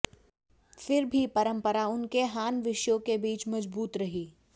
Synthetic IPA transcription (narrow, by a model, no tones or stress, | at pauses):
fɪɾbʱipɐɾə̃mpəɾaʊnkeɦaːnʋɪʃjõkebiːt͡ʃmɐd͡ʒbuːt̪ɾɐɦiː